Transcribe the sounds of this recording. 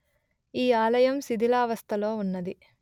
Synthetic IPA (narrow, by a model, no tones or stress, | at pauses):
iːaːlɐjɐmsid̪ʱilaːʋɐst̪ʰɐlo̞ːunːɐd̪i